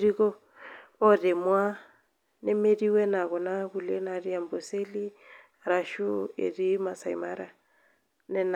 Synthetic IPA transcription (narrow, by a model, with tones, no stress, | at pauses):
ɾi˦kɔː˦ | rɪ˨mwa˦ | nɪ˦me˦riwɛ˦na˨kɔ˨na˦bu˨le˦nari˦a˨m̩bɔ˨se˦li˦ | ra˨ʃu˦ḛ˨rima˨saḭ˨ma˦ɾa | nɛ˦n